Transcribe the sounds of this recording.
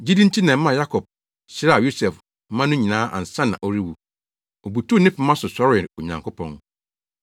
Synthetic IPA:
d͡ʑi˦dĩ˦n˦tʰi˦nɛ̃˨m̩˦mã˦˨ja˦kʰɔ˨b̚ | ɕɪ˦ɾa˦˨jo˦sɛ˨f | mã˦nʊ̃˦ɲĩ˨nãː˨˦ʔa̰˨n̩˨sã˦nã̰˨ʔo˦ɾi˦wu˨ | o˨bu˨tʰu˦˨nɪ̃˦pʊ˨˦mã˦sʊ˨sɔ˦ɾɪ˦˨ɾo˨ɲã̰˨ŋkʰʊ˦pʰɔ̰̃˦n

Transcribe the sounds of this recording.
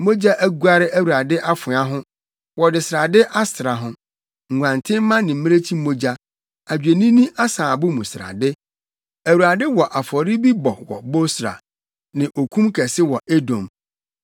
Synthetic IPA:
mo˦d͡ʑa˦ʔæ˦ɡu˦a˦ɾɪ˦ʔæ˦wu˨ɾa˨dɪ˦ʔa˦fʊ˨˦a˦ɦʊ̃˦ | wɔ˨dɪ˨sɾa˨dɪ˦ʔa˦sɪ˨ɾa˨ɦʊ̃˦ | ŋ̩˨ɡʷã˨ntʰɪ̃˦m̩˦mã˦nɪ̃˨m̩˦mɪ̃˦ɾe˦t͡ɕʰi˦m̩˦mo˦d͡ʑa˦ | a˨d͡ʑᶣe˨nĩ˦nĩ˦ʔa˦sãː˨bʊ˦mũ˨sɾa̰˨dɪ˦ | æ˨wu˨ɾa˨dɪ˦wɔ˨ʔa˨fɔ˨ɾɪ˦bi˦bɔ˨wɔ̰˨bo˦sɾa̰˨ | nɪ̃˨ʔo˨kʰũ˦mkʰɛ˨sɪ˦wɔ˨ʔe˦dõ˨m

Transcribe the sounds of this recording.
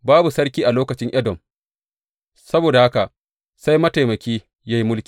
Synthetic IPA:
baː˦bu˨sɐ˦rkʲiː˦ʔa˨loː˦kɐ˨t͡ʃɪ˦ŋʔɐ˦dɔ˨m | sɐ˦boː˨da˨ha˦ka˨ʔ | sa˦jmɐ˦ta˨jmɐ˨kʲiː˦ | ja˦ji˦mʊ˦lkʲiː˨

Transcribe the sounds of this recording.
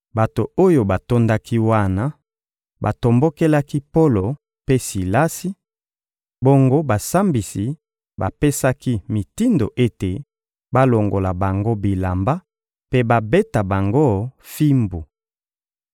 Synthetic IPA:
ba˨to˨o˦jo˨ba˨to˦nda˦ki˦wa˦na˦ | ba˨to˨mbo˦ke˦la˦ki˦po˦lo˨ | pe˦si˨la˦si˦ | bo˦ŋɡo˦ba˨sa˦mbi˨si˨ | ba̰˨pe˦sa˦ki˦mi˨ti˦ndo˨ʔe˦te˨ | ba˦lo˨ŋɡo˨la˨ba˨ŋɡo˦bi˨la˨mba˦ | pe˦ba˨be˦ta˨ba˨ŋɡo˦fi˦mbu˨

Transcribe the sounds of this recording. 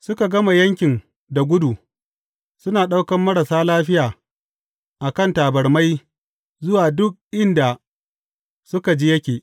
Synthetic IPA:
sʊ˦ka˨ɡɐ˦ma˨jɐ˦ŋkʲɪ˨ŋ | da˨ɡʷʊ˦du˨ | sʊ˦naː˨ɗa˦wkɐ˨mːɐ˦ɾa˨saː˦laː˦ɸɪ˦jaː˨ | ʔa˨kɐ˦˨ntaː˨bɐ˨rma˦j | zʊ˦waː˨dʊ˦k̚ʔɪ˦nda˨ | sʊ˦ka˨d͡ʒiː˦jɐ˦kʲeː˨

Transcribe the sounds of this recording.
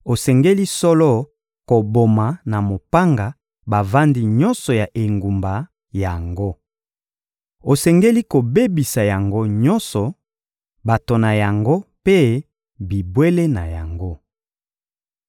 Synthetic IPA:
o˨sɛ˨ŋɡe˦li˦sɔ˦lɔ˦ | ko˨bo˨ma˨na˨mo˨pa˦ŋɡa˨ | ba˨va˦ndi˦ɲɔ˦nsɔ˨ja˨ʔe˨ŋɡu˨mba˨ | ja˨ŋɡo˦ | o˨sɛ˨ŋɡe˦li˦ko˨be˦bi˨sa˨ja˨ŋɡo˦ɲɔ˦nsɔ˨ | ba˨to˨na˨ja˨ŋɡo˦pe˦ | bi˨bwe˦le˦na˨ja˨ŋɡo˦

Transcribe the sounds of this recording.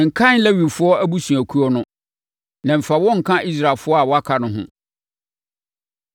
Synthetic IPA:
ŋ̩˨kʰã˦n˦læ˦ɥi˨fʊ˦ɔ˦æ˦bu˦sũ˨æ˨kʰu˦ɔ˦nʊ̃˦ | nã˨m̩˨fa˨wɔ̃˦ŋ̩˨kʰã˦ʔi˦s̬ɾa˨lfʊ˦ɔ˦a˨wɔ˦a˦kʰa˨nʊ̃˦ɦʊ̰̃˦

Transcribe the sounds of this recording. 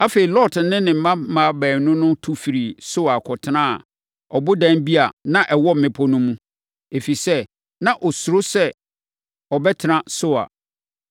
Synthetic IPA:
a˦fe˨i˨lɔ˦˨t̩˦nɪ̃˦nɪ̃˨m̩˦mã˦mã˨bæː˨nʊ̃˦nʊ̃˦tʰu˦fi˨ɾi˨sʊ˦a˨kʰɔ˨tʰɪ˨˦nã˦a̰˨ | ɔ˨bʊ˦dɛ̃˦nbi˦a˨nã˨ʔɛ˨wɔ˦m̩˨ɪ̃˨pʰɔ˦nʊ̃˦mũ˦ | e˨fi˨sɛ˦ | nã˨ʔɔ˨su˨ɾʊ˦sɛ˦ | ɔ˨bɛ˦tʰɪ˨nã˦sʊ˦a̰˨

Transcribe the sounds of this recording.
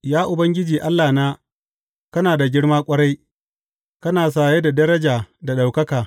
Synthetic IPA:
jaː˦ʔʊ˨bɐ˦ŋɡʲɪ˦d͡ʒiː˨ʔa˦lːaː˨naː˦ | kɐ˦naː˨da˨ɡʲɪ˦ɽmaː˦kʷʼɐ˦ɽa˦j | kɐ˦naː˨s̬aː˨jeː˦da˨dɐ˦ɾɐ˦d͡ʒaː˨da˨ɗa˨wkɐ˦kaː˨

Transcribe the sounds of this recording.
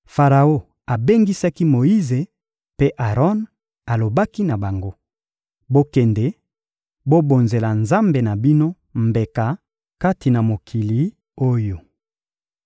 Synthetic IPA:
fa˨ʁa˨o˦ | a˨be˦ŋɡi˦sa˦ki˦mo˨i˦ze˨ | pe˦ʔa˨ʁɔ˦n | a˨lo˨ba˦ki˦na˨ba˨ŋɡo˦ | bo˦kɛ˨nde˨ | bo˦bo˨nze˨la˨nza˦mbe˨na˨bi˦no˦ | mbe˨ka˨ | ka˦ti˨na˨mo˨kʰi˨li˨˦ | o˦jo˨

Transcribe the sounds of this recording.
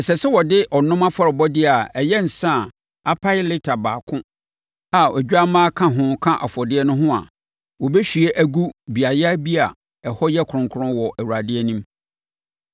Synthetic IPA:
ɛ˨sɛ˨sɛ˦wɔ˨dɪ˦ʔɔ˨nʊ̃˦mã˦fɔ˦˨ɾɪ˨bɔ˦dɪ˦a˨ɛ˨jɛ˦n̩˨sã˦˨ | a˦pʰa˦ɪ˦lɪ˦tʰa˨baː˨kʰʊ̃˦ | a˨ʔɛ˨d͡ʑᶣa˦mãː˦kʰã˦ɦʊ̃˦kʰã˦ʔa̰˨fɔ˨dɪ˦ɛ˦nʊ̃˦ɦʊ̃˦a̰˨ | wɔ˨bɛ˦ɕᶣɥe˦ʔæ˦ɡu˦bi˨a˨jɛ˦a˦bi˦a˨ | ɛ˨hɔ˦jɛ˦kʰʊ˨ʊ̃˨ŋkʰʊ˦ʊ̃˦wɔ˨ʔæ˨wu˨ɾa˨dɪ˦ɛ˦nĩ˦m

